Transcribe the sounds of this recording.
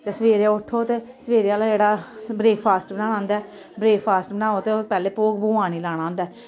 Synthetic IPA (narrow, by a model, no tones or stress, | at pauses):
t̪eːsəʋeːɾãːʊʈʰːoːt̪eː | səʋeːɾjaːlaːd͡ʒeːɽaːbɾeːkpʰaːsʈbənãːnãːnd̪aɛː | bɾeːkʰpʰaːsʈbənãːoːt̪eːopɛːleːpoːkboːaːñiːlaːɽ̃ãːnd̪aː